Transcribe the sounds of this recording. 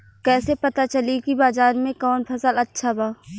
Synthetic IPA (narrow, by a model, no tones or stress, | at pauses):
kɛːsepɐt̪at͡ʃɐlikibaːzaːɾmẽkɔːnpʰɐsəlɐtːʃʰabaː